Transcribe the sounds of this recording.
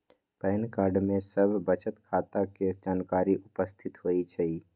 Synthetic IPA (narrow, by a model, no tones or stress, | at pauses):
pɛːnkaːɾɖmẽsəbʱbət͡ʃət̪kʰaːt̪aked͡ʒaːnkaːɾiʔʊpəst̪ʰɪt̪ɦoːit͡ʃʰɛi